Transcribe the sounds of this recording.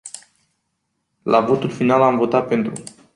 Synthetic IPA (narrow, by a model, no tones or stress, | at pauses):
lʔavo̞t̪ulfinalamvo̞t̪at̪̚pe̞nt̪ɾu